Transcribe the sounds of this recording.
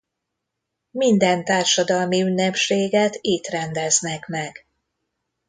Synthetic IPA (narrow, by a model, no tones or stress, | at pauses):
mind̪ɛnt̪aːrʃɒd̪ɒlmiynːɛpʃeːɡɛt̪it̪rɛnd̪ɛznɛkmɛɡ̥